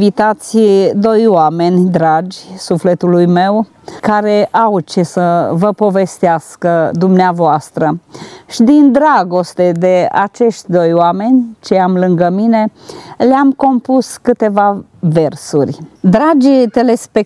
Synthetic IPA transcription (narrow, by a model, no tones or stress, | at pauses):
vit̪at̪sʲd̪o̞joame̞nʲd̪ɾad͡ʒʲsufle̞t̪ulujme̞w | kaɾe̞ʔawt͡ʃesəvəpo̞ve̞st̪easkəd̪umneavoast̪ɾəʃid̪ind̪ɾaɡo̞st̪e̞d̪e̞a̰t͡ʃe̞ʃt̪ʲd̪ojowame̞nʲt͡ʃe̞amlɨŋɡəmine̞leamko̞mpuskɨt̪e̞va | ve̞rsurʲd̪ɾad͡ʒʲt̪ele̞spe